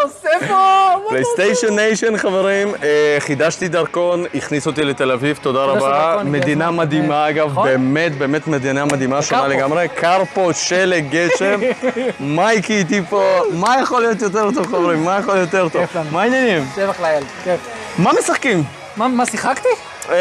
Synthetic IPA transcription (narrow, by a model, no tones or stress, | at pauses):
sefoplejst̪ejʃonːejʃonχaveʁimχid̪aʃt̪id̪aʁko̞niχnisot̪ile̞t̪e̞lavivt̪o̞d̪aʁabame̞d̪inamad̪imaaɡavbe̞ːme̞t̪̚be̞ːme̞t̪med̪inamad̪imaʃonaleɡamʁekʰaʁpoʃeleɡeʃe̞mmajkit̪̬ipomajaχolijo̞t̪jot̪̬eʁt̪̬o̞vχaveʁimːajaχoljot̪eʁt̪ovmainjanimeveχlajalk | mamesaχkim | mamasiχakt̪i